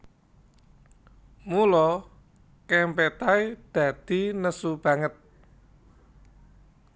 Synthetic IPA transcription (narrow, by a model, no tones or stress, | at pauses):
mulɔ | kɛmpɛt̪ajd̪̥ä̤d̪̥i̤nəsub̥ä̤ŋət̪̚